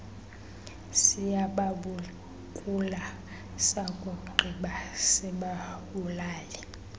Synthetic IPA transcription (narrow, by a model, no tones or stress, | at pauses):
sijaɓaɓu | kʼula | sakʼokʼuɡ͡ǃʱiɓasɛɓaɓulaːlɛ